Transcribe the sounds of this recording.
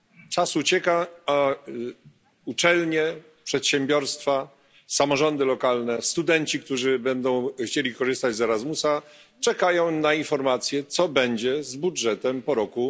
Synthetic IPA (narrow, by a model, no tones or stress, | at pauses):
t͡ʂasut͡ɕɛkaa | ut͡ʂɛlɲɛ | pʂɛt̪ɕɛmbʲjɔɾst̪fa | samɔʐɔnd̪ɘlɔkalnɛst̪ud̪ɛnt͡ɕik̚t̪uʐɘbɛnd̪ɔ̃w̃xt͡ɕelʲikɔʐɘst̪ad͡ʑzɛɾazmusa | t͡ʂɛkajɔ̃w̃nainfɔɾmat̪sʲjɛt̪sɔbɛɲd͡ʑɛzbudʐɛt̪ɛmpɔɾɔku